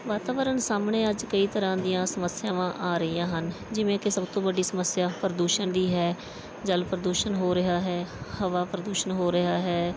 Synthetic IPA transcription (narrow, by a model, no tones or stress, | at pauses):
ʋaːt̪aːʋəɾənsaːmɳeːəd͡ʒkəiːt̪əɾãːd̪ɪjãːsəməsɪjãːʋãːʔaːɾəijãːɦən | d͡ʒɪʋẽːkɪsəbt̪õːbəɖiːsəməsɪjaːpəɾəd̪uːʃənd̪iːɦɛː | d͡ʒəlpɾəd̪uːʃənɦoːɾɪɦaːɦɛːhəʋaːpɾəd̪uːʃənɦoːɾəɦaːɦɛː